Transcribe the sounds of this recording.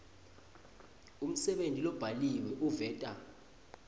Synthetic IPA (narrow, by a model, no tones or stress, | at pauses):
um̩sɛɓentʼilɔb̥ʱaliwɛʔuvɛːtʼa